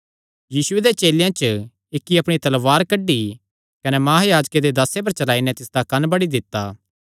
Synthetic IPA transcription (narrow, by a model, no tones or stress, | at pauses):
jiːsʊed̪et͡ʃeːljãt͡ʃə | ɪkːiɐpɽ̃it̪ɐlʋaːɾkɐɖi | kɐnɛmaːɦajaːd͡ʒked̪ed̪ɐsep̬ɐɾt͡ʃɐlaːinɛt̪ɪsd̪akɐnbɐɽid̪ɪt̪ːaː